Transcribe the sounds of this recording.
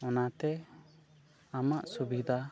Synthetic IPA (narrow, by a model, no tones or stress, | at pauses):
ɔnat̪ɛ | amaʔsubid̪ʱa